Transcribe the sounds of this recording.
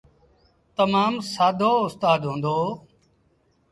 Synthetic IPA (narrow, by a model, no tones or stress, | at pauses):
t̪əmaːmsaːd̪ʱoːʊst̪aːd̪ɦõːnd̪oː